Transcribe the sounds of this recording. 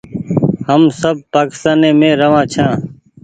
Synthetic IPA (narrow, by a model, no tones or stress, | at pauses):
həmsəb̚paːkɪ̥st̪aːnẽːmẽːɾəʋãːt͡ʃʰãː